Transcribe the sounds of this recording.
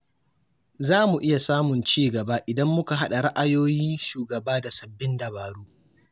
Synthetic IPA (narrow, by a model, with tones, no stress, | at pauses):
zaː˦mu˨ʔɪ˦ja˨saː˦mʊ˨nt͡ʃiː˦ɡɐ˨baː˦ʔɪ˨dɐ˦mːʊ˦ka˨ɦa˦ɗa˨ɽa˦ʔa˨joː˦jiː˦ʃuː˨ɡɐ˨baː˦da˨sɐ˨bːɪ˦ndɐ˨baː˨ɽuː˦